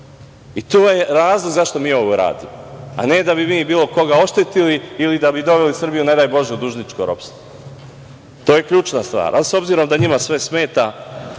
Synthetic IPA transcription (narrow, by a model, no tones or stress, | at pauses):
it̪oːjeɾaːzlˠoɡzaʃt̪o̞miːo̞ʋoɾa̰ːd̪imoa̰ne̞d̪abimiːbiːlˠo̞ko̞ɡao̞ʃt̪et̪iliilid̪abid̪o̞ʋelisr̩bijune̞d̪ajbo̞ʒeud̪uʒnit͡ʃkoɾo̰pst̪o | t̪o̞ːje̞kʎuːt͡ʃnast̪ʋa̰ːɾʔaso̞bziɾo̞md̪aɲimasʋe̞sme̞ːt̪a